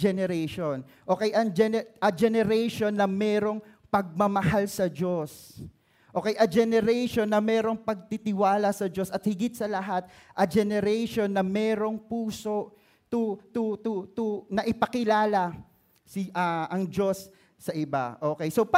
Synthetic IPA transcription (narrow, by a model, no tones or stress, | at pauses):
d͡ʒɛnɛɾɛjʃon | ʔo̞ːkɛjʔɐŋd͡ʒɛʔɐd͡ʒɛnɛɾɛjʃo̞nːɐmɛːɾo̞ŋ | pɐɡ̚mɐmɐhalsɐd͡ʒo̞s | ʔo̞ːkɛjʔɐd͡ʒɛnɛɾɛjʃo̞nːɐmɛːɾo̞ŋpɐɡ̚t̪it̪ɪwaːlɐsɐd͡ʒo̞sɐt̪̚hɪɡɪt̪̚sɐlɐɦat̪̚ʔɐd͡ʒɛnɛɾɛjʃo̞nːɐmɛːɾo̞ŋpuːso̞ʔ | t̪ut̪ut̪ut̪unɐʔɪpɐkɪlaːlɐ | sɪʔɐʔɐŋd͡ʒo̞sː | ɐʔɪba̰ʔo̞ːkɛjso̞p